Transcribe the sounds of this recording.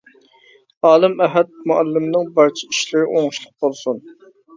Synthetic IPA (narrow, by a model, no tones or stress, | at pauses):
ɑːlˠɨmæɦɛt̪̚muɛlːɪmnɪŋbɑɾt͡ʃʰi̥iʃlɪɾɪʔoŋʃlˠʊq̚bolˠsun